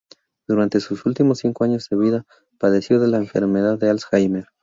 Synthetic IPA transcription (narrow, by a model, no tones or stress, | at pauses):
d̪̥uɾant̪e̞susult̪imo̞sːiŋko̞aɲo̞zðe̞β̞iða | paðe̞sjo̞ðe̞laeɱfe̞̰ɾme̞ðaðːealsxajmeɾ